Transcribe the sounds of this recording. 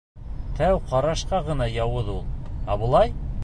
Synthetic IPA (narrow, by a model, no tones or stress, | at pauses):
t̪ʰæwqɑɾɑʃqɑʁɤ̆nɑjɑwɤðulˠæbŏlˠɑj